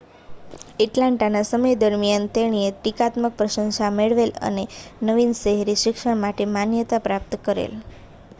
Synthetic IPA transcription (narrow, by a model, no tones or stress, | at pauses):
iʈlaɳʈanasəməjd̪əɾmijant̪eɽ̃iet̪ikat̪mək̚pɾəʃə̃ŋsameɭʋelə̰nenəʋinʃəɦɾiʃɪkʂəɽ̃maʈemanjət̪apɾap̚t̪kəɾḛl